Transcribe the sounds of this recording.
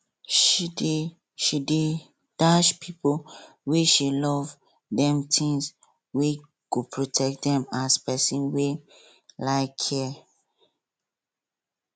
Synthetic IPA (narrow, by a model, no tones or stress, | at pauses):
ʃid | ʃide | d̥aʃpʰipo | weʃilɔv | dɛ̃mtʰĩŋs | we | ɡ̥opʰɹotʰɛk̚dɛ̃maspɛsĩnwe | laɪkʰɛ